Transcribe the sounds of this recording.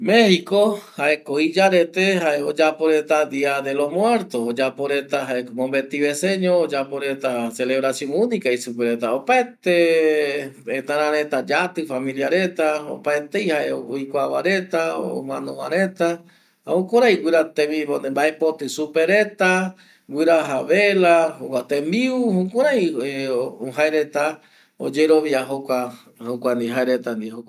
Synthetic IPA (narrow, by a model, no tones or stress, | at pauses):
mehikohaekoid͡ʒaɾet̪eɦaeod͡ʒapoɾet̪ad̪iad̪elomwe̞ɾt̪oːd͡ʒapoɾet̪aɦaekmõmbet̪iβeseɲoːd͡ʒapoɾet̪aseleβɾasjoŋunikaisupeɾet̪aopaet̪e | et̪aɾãɾet̪ad͡ʒat̪ɨfamĩljaɾet̪ao̰paet̪ejhaeojkʷawaɾe̞t̪ao̰mãnõmãɾẽt̪a | okʷoɾajɡʷiɾat̪ẽmĩβombaepot̪ɨsupeɾe̞t̪a | ɡʷiɾaɦaβelahokʷat̪ẽmbiuhokʷaɾaj | oɦaeɾe̞t̪a | o̰d͡ʒeɾoβjaɦokʷa | hokʷand̪iɦaeɾet̪and̪ihok